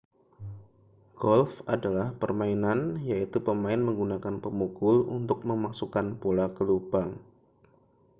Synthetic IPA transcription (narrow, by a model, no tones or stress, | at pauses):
ɡ̥ɔlfadalahpərmainanjait̪upəmaɪnməŋɡunakanpəmukʊlṵnt̪ʊk̚məmaksukanpolakəlubaŋ